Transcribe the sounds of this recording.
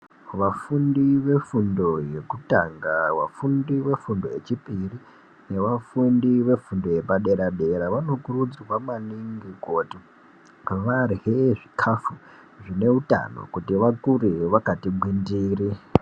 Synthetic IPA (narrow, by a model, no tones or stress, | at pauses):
ʋafundiʋe̞fundo̞je̞kutaŋɡaʋa̰fundiʋe̞fundo̞e̞t͡ʃipiri | ne̞ʋafundiʋe̞fundo̞je̞paɗe̞ɾaɗeɾaʋano̞kurud͡zwamaniŋɡikoti | ʋarɦeʐikʰafu | ʐine̞uta̰no̞̰kutiʋakuɾiʋakatiɓʱwindiːri